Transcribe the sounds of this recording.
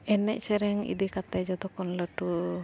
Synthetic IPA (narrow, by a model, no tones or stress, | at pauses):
ɛnɛ̰ʔ̚sɛɾɛŋḭd̪ikat̪ɛd͡ʒɔd̪ɔkɔnləʈu